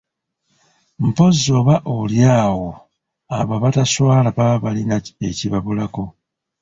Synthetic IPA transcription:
m̩po̞zːo̞βaʔoljaːwo̞ | aβaβataswaːlaβaβalinaeciβaβulako̞

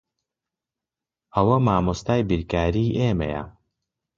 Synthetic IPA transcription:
ɐwɐmaːmost̪aːjbiɾkaːɾiːʔeːmɐ̰jɐ̰

